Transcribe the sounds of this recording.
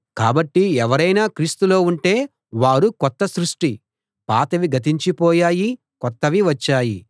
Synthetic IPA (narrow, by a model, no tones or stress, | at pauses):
kaːbɐʈːiɛʋɐɾɐjnaːkɾiːst̪ulo̞ːuɳʈe̞ː | ʋaːɾukɔt̪ːɐsɾuʂʈi | paːt̪ɐʋiɡʱɐt̪̬iɲt͡ʃipɔːjaːji | kɔt̪ːɐʋiʋɐt͡ʃːaːji